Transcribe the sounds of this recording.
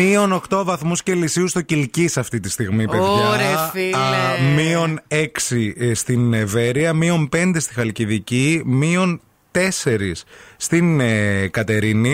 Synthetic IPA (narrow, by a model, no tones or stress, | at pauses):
io̞no̞xt̪o̞vɐθmuscelisiust̪ocilcisɐft̪it̪ist̪iɣmipeðʝɐɾe | mio̞neksist̪ineve̞ɾiɐmio̞mpe̞nd̪e̞st̪ixɐlciðicimio̞n | t̪e̞se̞ɾisːt̪inkɐt̪e̞ɾini